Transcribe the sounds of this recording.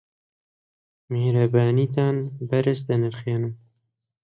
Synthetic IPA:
meːɾɐbaːniːt̪aːnbɐɾɐsd̪ɐnɨɾxeːnɨm

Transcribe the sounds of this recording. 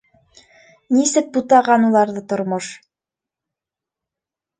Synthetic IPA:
nisɘk̚but̪ɑʁɑnulˠɑɾðɤt̪ŏɾmoʃ

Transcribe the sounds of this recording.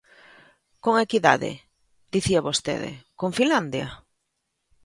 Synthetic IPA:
koŋekiða̰ðɪ̰ | d̪̥iθiaβost̪ḛðɪ̰koŋfinland̪ja̰

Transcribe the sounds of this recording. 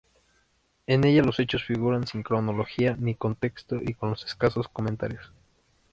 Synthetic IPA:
e̞ne̞ʝalo̞se̞t͡ʃo̞sfiɣuɾansiŋkɾo̞no̞lo̞xianiko̞nt̪e̞kst̪o̞ʔiko̞nlo̞se̞̥skaso̞sko̞ment̪a̰ɾjos

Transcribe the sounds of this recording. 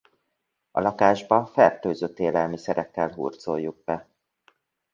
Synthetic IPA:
ɒ̰lɒkaːʒbɒfɛrt̪øːzøt̪ːeːlɛlmisɛɾɛkːɛlɦṵːrt̪sojːuɡ̚bɛ

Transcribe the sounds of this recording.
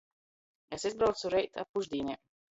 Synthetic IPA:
esizbɾawt̪suɾɛjt̪a̰p̚puʒd̪iːnʲɛːm

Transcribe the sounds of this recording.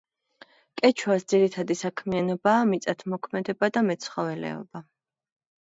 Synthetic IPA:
kʼɛt͡ʃʰwasd̪z̥iɾit̪ʰad̪isakʰmianɔbaːmit̪sʼat̪ʰmɔkʰmɛd̪ɛbad̪amɛt̪sʰχɔvɛlɛ̰ɔ̰ba

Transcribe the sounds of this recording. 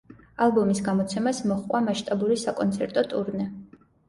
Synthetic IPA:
alˠbɔmisɡamɔt̪sʰɛmasmɔχqʼwamaʃt̪ʼabuɾisakʼɔnt̪sʰɛɾt̪ʼɔt̪ʼuɾnɛ

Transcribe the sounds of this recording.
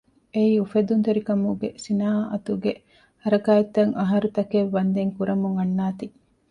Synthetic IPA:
eiːufed̪unt̪eɾikɐmuɡesinaːɦɐʔɐt̪uɡe | hɐɾɐkaːet̪ːɐŋʔɐɦɐɾut̪ɐkeʋːɐnd̪eŋkuɾɐmuŋɐnːaːt̪i

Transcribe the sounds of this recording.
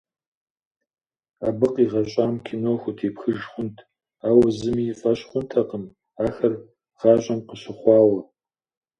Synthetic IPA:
aːbɨqiːʁɐɕʼaːmkʲʰɪnoːxʷʊtʰeːpxɨʒχʷʊntʰ | aːwɐzɨmiːfʼɐɕχʷʊntʰɐqəm | aːxɐr | ʁ̥ɑːɕʼɐmqəɕɪχʷɑːwɐ

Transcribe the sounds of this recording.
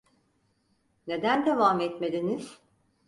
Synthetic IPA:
ne̞d̪ænd̪e̞vaːmɛt̪melʲiniz̥

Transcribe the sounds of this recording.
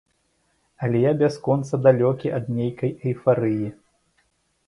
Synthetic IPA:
ɐlʲɛjabʲaskɔnt̪sɐd̪alʲɔkʲiʔɐd̪̚nʲejkɐjɐjfaɾɨji

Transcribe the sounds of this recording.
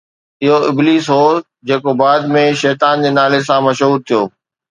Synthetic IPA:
ɪɦoɪbliːsɦoː | d͡ʑeːkobaːd̪mẽʃɛːt̪aːnd͡ʑeːnaːles̬ãmɐʃɦuːɾt̪ʰijoː

